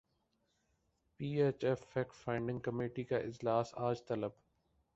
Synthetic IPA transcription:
piːeːt͡ʃɛfɛːkfaːɪ̃ɳɖɪ̃ŋɡ̚kɐmeːʈikaʔɪd͡ʒlaːsaːd͡ʒt̪ɐləb

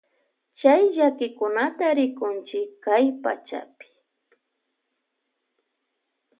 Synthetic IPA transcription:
t͡ʃajʒakɪkʊnat̪aɾɪkʊnt͡ʃɪkkajpa̰t͡ʃa̰pɪ̥

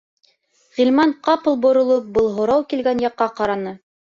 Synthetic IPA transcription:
ʁilmɑɴqɑpɤlˠbŏɾŏlˠɤp̚bɤlˠɦŏɾɑwkilɡænjɑqːɑqɑɾɑnɤ

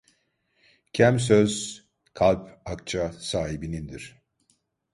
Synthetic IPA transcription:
cʰæms̬øz̥ | kʰalʲpak̚t͡ʃʰasaːɦibinind̪iɾ̥

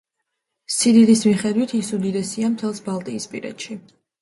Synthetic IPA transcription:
sid̪id̪ismiχɛd̪wit̪ʰisud̪id̪ɛsiamt̪ʰɛlˠsbalˠt̪ʼiːspʼiɾɛ̰t̪ʃi

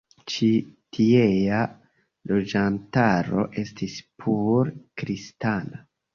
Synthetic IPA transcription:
t͡ʃitʰieja | lo̞d͡ʒantaɾo̞̰ʔe̞stispʰuɾkɾistana

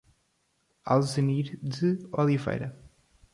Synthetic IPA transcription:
a̰lˠzɨmiɾd̪ɨɔlˠivḛjɾɐ

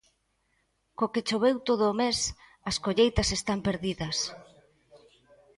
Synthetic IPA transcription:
koket͡ʃoβewt̪oðʊːmes | ɐskoʎejt̪ɐsest̪ampeɾðiðɐs

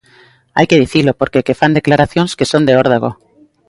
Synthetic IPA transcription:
a̰jke̞ðiθilopoɾkekefand̪e̞klaɾaθjonskesond̪eoɾð̞aɣ̞o̰

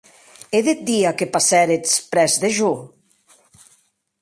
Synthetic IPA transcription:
eðet̪̚d̪iakepasɛɾet͡spɾɛzd̪eʒu

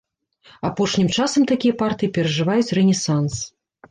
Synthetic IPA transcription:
apɔʂnʲimt͡ʂasɐmt̪akʲijɐpart̪ɨjipʲɛɾɐʐɨvajut͡sʲrɛnʲɛsans

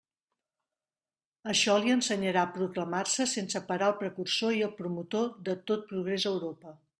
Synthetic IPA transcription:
əʃɔliənsəɲəɾapɾukləmarsəsensəpəɾaəlˠpɾəkursoiəlˠpɾumut̪oðət̪ot̪̚pɾuɣ̞ɾezəwɾopə

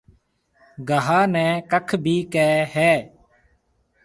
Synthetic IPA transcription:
ɡəɦaːnɛ̃ːkəkʰbʱiːkɛːɦɛː

